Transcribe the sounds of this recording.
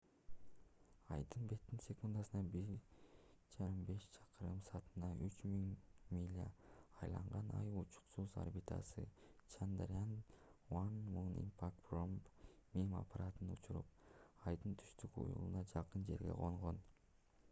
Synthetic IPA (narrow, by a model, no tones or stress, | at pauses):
ɑjd̪ɯnbe̞t̪ːinsʲe̞kund̪ɑsɯnɑbiɾ | d͡ʒɑɾɯmbe̞ʃt͡ʃʰɑ̥qɯɾɯmsɑːt̪ɯ̥nɑʔyt͡ʃmiŋmʲilʲa̰ɑjlˠɑ̰ɴʁɑnɑ̰jut͡ʃu̥qsuza̰rbit̪ɑ̰sɯt͡ʃʰand̪rʲanwanmunḭmpʰakprompmima̰paɾat̪ɯnut͡ʃʰuɾṵp̚ɑjd̪ɯnt̪ʰy̥ʃt̪ykṵjṵlˠunɑd͡ʒɑqɯnd͡ʒe̞ɾɡʲe̞̰ʁoɴʁo̞n